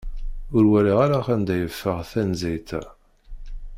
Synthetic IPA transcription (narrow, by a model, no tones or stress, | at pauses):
ʊɾwæliʁaɾaχænd̪æjəfːəʁθænzit̪